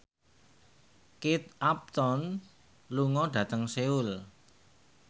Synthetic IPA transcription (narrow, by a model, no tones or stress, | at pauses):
kit̪ap̚t̪ɔn | luŋɔɖ̥ä̤t̪əŋseul